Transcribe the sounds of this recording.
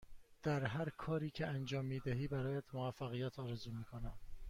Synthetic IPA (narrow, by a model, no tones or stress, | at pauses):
d̪̥æɾɦæɾkʰɒːɾiːcʰeænd͡ʒɒːmːiːd̪æɦiːbæɾɒːjæt̪moæfːæɣijæt̪ʰɒːɾezuːmiːkʰonæm